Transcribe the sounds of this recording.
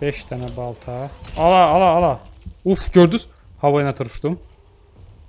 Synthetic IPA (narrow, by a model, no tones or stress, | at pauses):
bɛʃt̪ʰænɛbɑlˠt̪ʰaɑlˠaːlˠaːlˠaufɟøɾd̪yz̥ | hɑvajɯnat̪ʰɯɾuʃt̪um